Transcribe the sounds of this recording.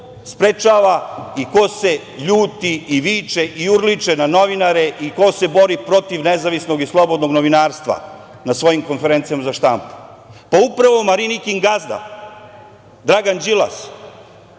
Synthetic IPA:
spɾet͡ʃaːʋaiko̞se̞ | ʎuːt̪iiʋiːt͡ʃeʔiuɾlit͡ʃenano̞ʋinaɾeʔiko̞se̞bo̞ɾipɾo̞t̪iʋnezaʋisno̞ɡislˠo̞bo̞d̪no̞ɡnoʋinaːɾst̪ʋa̰ | nasʋo̞jimko̞nfeɾent̪sijamazaʃt̪ampu̥ | paupɾaʋo̞maɾinikiŋɡazd̪a̰ | d̪ɾaɡand͡ʒilˠa̰s

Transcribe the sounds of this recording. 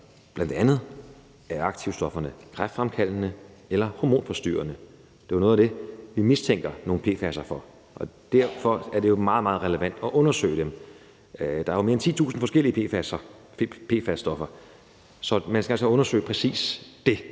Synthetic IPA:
b̥lænd̥eænð̞̩ˠ | æɐɑ̈ɡ̥t͡sʰiʊsd̥ɒ̽fɐnəkʰʁafd̥fʁamkʰæl̰nəelɐhomo̝̰ːnfɒ̽sd̥y̰ːɐnə | d̥e̝ʋɐno̽ːð̩ˠæd̥e̝ʋimist͡sʰeŋ̰ɡ̥ɐno̝ːn̩pʰe̝̰ːfæsɐfɒ̽ | ʔɒ̽d̥æɐ̰fɒ̽æɐd̥e̝jo̝mɑ̈ːð̩ˠmɑ̈ːð̩ˠʁɛləʋæn̰d̥ɒ̽ʔɔ̽nɐsø̰ɪd̥em | d̥ɑ̈æʋme̝ɐent͡sʰḭːt͡sʰṵːsn̩fɒ̽sɡ̥el̰iəpʰḛfæsɐ | pʰe̝̰ːfæsd̥ɒ̽fɐ | sɒ̽mænskɡ̥ælsəɔ̽nɐsø̰ɪpʰʁɛsḭːsd̥e̝

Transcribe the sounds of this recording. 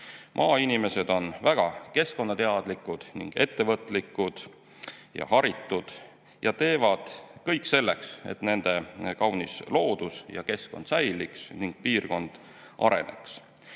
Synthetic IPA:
mʔɑːinime̞se̞d̪̥o̞nvæɡ̥ɑke̞sko̞nːɑt̪e̞ɑd̪̥likːˑud̪̥niŋɡ̥e̞̰t̪ːe̞vɤt̪ˑlikːˑud̪̥ | jɑ̰hɑɾit̪ːˑud̪̥ | jɑt̪e̞ːvɑd̪̥kɤjkːˑse̞lːe̞kse̞̰t̪ne̞nd̪̥e̞kɑwnislo̞ːd̪̥usjɑ̰ke̞sko̞nd̪̥sæjliksniŋɡ̥̚piːrko̞nd̪̥ | ʔɑ̰ɾe̞̰ne̞̰ks

